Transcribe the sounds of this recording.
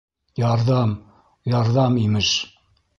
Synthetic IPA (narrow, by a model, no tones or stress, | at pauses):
jɑɾðɑm | jɑɾðɑmimɘʃ